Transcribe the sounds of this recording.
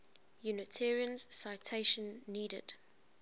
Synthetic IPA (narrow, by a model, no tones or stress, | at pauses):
junətʰɛɹiə̃nz̥saɪtʰeɪʃə̃nːiːdə̰d̥